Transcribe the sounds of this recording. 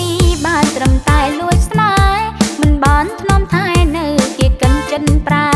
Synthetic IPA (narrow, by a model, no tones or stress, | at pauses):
iɓaət̪rəmt̪aɛluəjsnaːmɨnɓɑnt̪ʰnŏəmt̪ʰaɛnɨwkiəkənt͡ɕɨnpra